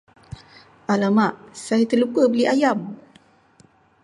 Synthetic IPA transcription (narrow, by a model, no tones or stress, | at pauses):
ʔalamaʔsajit̪əlukəbəliʔajam